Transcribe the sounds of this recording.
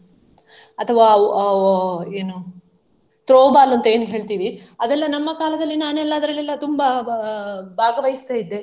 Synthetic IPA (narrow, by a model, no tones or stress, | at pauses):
ɐt̪ʰɐʋaː | eːnu | t̪ɾoːbaːlɐnt̪ɐe̞ːnuɦe̞ːɭt̪iːʋiɐd̪ɛlːɐnɐmːɐkaːlɐd̪ɐlːinaːnɛlːɐːd̪ɐɾɐlːilːɐt̪umbɐ | bʱaːɡɐʋɐjist̪aːjid̪ːe̞